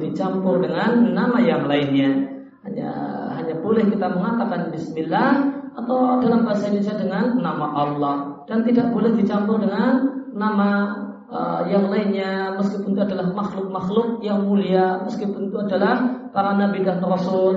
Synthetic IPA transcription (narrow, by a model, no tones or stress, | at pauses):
dit͡ʃampʊrdəŋanːamajaŋlaɪnɲa | ha̰ɲa̰ɦaɲabolɛhkit̪aməŋat̪akanbɪsmɪlːahat̪awdalambaɦasaiɲasadəŋanːamaʔɑlːɔhd̥ant̪idaʔbolɛhdit͡ʃampʊrdəŋanːama | ə̰jaŋlainɲaməskipʊnt̪uadalahmaxlʊk̚maxlʊk̚jaŋmuliaməskipʊnt̪uadalahpaɾanabidanrɔsʊl